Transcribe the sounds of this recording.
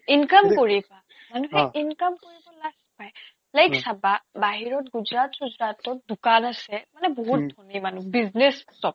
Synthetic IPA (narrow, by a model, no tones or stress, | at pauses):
inkamkoɹiba | manuɦɛinkamkoɹibɔlaɡpaj | lajksababaɦiɹɔtɡuzɹatɡuzɹatɔt̚dukanasɛmanɛboɦut̚dʱonimanubiznessɔb̚